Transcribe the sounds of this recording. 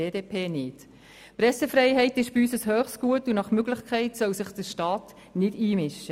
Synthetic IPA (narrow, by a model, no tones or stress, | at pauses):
eːdeːpʰeːnɪt | prɛsəfrɛɪɦɛɪtɪʃb̥iyːsəshøːχstɡ̥uətunɑχmøɡlɪχkʰχɛɪtsœwsɪχd̥əɾʃtɑːt | nɪdiːmɪʃːə